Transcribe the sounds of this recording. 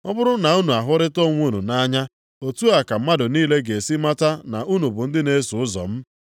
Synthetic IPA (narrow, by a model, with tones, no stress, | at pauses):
ɔ˦bʊ˦ɾʊ˦na˨u˦nu˨a˨ɦʊ˦ɾɪ˦to˦ŋʷu˦nu˨na˦ɲa˦ | o˨tu˦a˨ka˨m̩˦ma˦dʊ˨niː˦le˦ɡe˨si˦ma˦ta˦na̰˨ʔu˦nu˨bʊ˨n̩˦dɪ˦ne˦su˨ʊ˦zɔ̰˨m̩˦